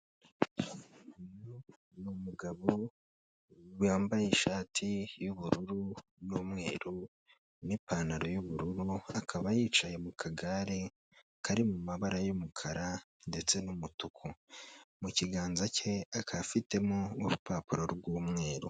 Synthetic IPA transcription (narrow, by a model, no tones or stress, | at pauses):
no | numuɡaβo | wjaːmbajiʃaːtʰijuβuɾuɾunuːmŋe̞̰ːɾu | nipaːnaɾo̞juβuɾuɾuakʰaβajiːt͡ʃaje̞mukʰaɡaɾe | kaɾimumaβaɾajomukʰaɾa | nde̞t͡se̞numutukʰomuciɡaːnzace̞akʰafite̞moːɾupaːpuɾo̞ɾbɡwuːmŋe̞ːɾu